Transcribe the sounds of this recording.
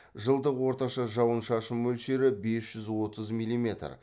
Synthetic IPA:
ʒəlˠd̪əqwo̞ɾt̪ɑʃɑʒɑwənʃɑʃəmːɵlʃe̞ɾɪbe̞sʒ̥ʏzwot̪ʰəzmilʲːˠime̞t̪r

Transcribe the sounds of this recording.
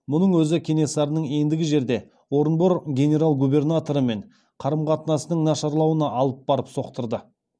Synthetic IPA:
mʊnəɴwɵzɪkʲʰe̞ne̞sɑɾənəɴe̞nd̪ɪɡʲɪʒe̞ɾd̪e̞ | wo̞ɾənboɾɡʲe̞nʲe̞ɾalˠɡube̞rnat̪o̞ɾəme̞ɴ | qʰɑɾəmqɑt̪ənɑsənəɴnɑʃɑɾlˠɑwənɑʔɑlˠəp̚bɑɾəpso̞qt̪əɾd̪ə

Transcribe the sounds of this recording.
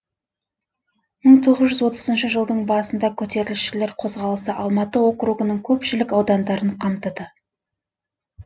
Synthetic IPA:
məɴt̪ʰo̞ʁəzʒʏzwo̞t̪ə̥zənʃəʒəlˠd̪əɴbɑsənd̪ɑkʲʰɵt̪e̞ɾɪlʃɪle̞ɾqʰo̞zʁɑlˠəsəʔɑlˠmɑt̪əwo̞qɾuɡənəɴkʲʰɵpʃɪlɪkɑwd̪ɑnd̪ɑɾəɴqʰɑmt̪əd̪ə

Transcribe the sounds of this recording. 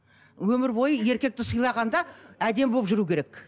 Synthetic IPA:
wɵmɪɾbo̞jəe̞ɾkʲe̞k̚t̪ɪsəjlˠɑʁɑnd̪ɑæd̪e̞mbo̞pʒʏɾukʲʰe̞ɾe̞k

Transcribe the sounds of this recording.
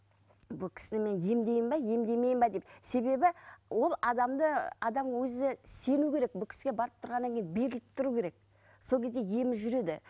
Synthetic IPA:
bʊlˠkʲʰɪ̥sɪnɪme̞nje̞md̪e̞jɪmbɑje̞md̪ejme̞jɪmbɑd̪e̞pse̞be̞bɪwo̞lˠɑd̪ɑmd̪əɑd̪ɑmwɵzɪse̞nukʲʰe̞ɾe̞k̚bʊlˠkʲɪ̥sɪɡʲe̞bɑɾəp̚t̪ʰʊɾʁɑnːɑŋkʰʲejɪnbe̞ɾɪlɪp̚t̪ʰʊɾukʲe̞ɾe̞k̚ | so̞kʲʰe̞zd̪e̞je̞mɪzʒʏɾe̞d̪ɪ̰

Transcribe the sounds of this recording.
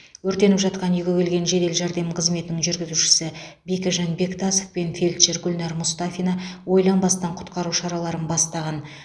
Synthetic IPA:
wɵɾt̪e̞nɪpʒɑt̪qɑnijɡʲewelɡʲe̞nʒe̞d̪e̞lʒɑɾd̪e̞mqʰəzme̞t̪ɪnɪŋʒʏɾɡʲɪzuʃɪ̥sɪbekʲɪʒɑnbe̞kt̪ʰɑsofpe̞nfe̞lʲt̪ʃeɾɡʲʊlʲnɑɾmʊst̪afʲijnɑwo̞jlˠɑnbɑst̪ɑɴqʰʊ̥t̪qɑɾuʃɑɾɑlˠɑɾənbɑst̪ɑʁɑn

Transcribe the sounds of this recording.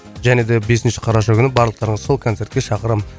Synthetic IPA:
ʒæne̞d̪ebe̞sɪnʃɪ̥qʰɑɾɑʃɑkʲʏnɪbɑɾləqt̪ɑɾəɴəzso̞lˠkʰot̪se̞ɾt̪kʲeʃɑqəɾəm

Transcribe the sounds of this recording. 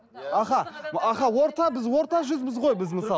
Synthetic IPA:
ɑχɑɑχɑwo̞ɾt̪ɑbɪzwo̞ɾt̪ɑʒʏzbɪzʁo̞jbɪzməsɑ

